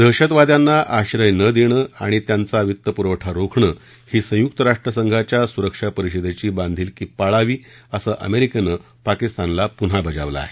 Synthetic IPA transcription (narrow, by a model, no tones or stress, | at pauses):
d̪əɕət̪ʋad̪janːaʔaɕɾəjnəd̪eɽ̃əa̰ɽ̃it̪jant͡saʋit̪ːəpuɾəʋʈʰaɾokʰɳəː | hiːsə̃juk̚t̪əɾaʂʈɾəsəŋɡʱat͡ɕjasuɾəkʂapəɾiɕəd̪et͡ɕiːbãnd̪ʱiːlkiːpaɭaʋiːəsəːʔə̰meɾikənə | pakist̪anlapun̤abʱəd͡za̰ʋla̰ːɦe